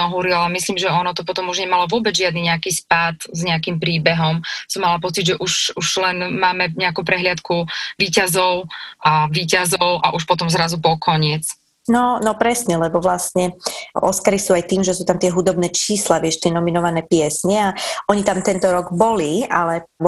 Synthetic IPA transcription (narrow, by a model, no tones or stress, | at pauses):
ɔɦuːɾiɔamisliːmʒɛɔnɔt̪ɔpɔt̪ɔmuʒɲɛmalɔʋʊɔbɛd͡zʒɪad̪niɲɛakiːspat̪zɲɛakiːmpɾiːbɛɦɔmsɔmːalapɔt͡siɟʒɛʔuʃuʒlɛnmaːmɛɲɛakuːp̬ɾɛɦlɪat̪kuʋiːcazɔʊʔaʋiːcazɔʊʔaʔuʃpɔt̪ɔmzɾazupɔkʰɔɲɪɛt͡s | nɔnɔpɾɛsɲɛlɛbɔʋlastɲɛʔɔ̰skaɾisuːajt̪iːmʒɛsuːt̪amt̪ɪɛɦud̪ɔbnɛːt͡ʃiːslaʋɪɛʃt̪ɪɛnɔminɔʋanɛːpɪɛsɲɛaɔɲit̪amt̪ɛnt̪ɔɾɔɡbɔlia̰lɛ